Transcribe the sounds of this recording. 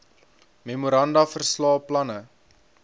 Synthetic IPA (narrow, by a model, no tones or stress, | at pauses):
memuɾɐndɐfərslɑːplɐnə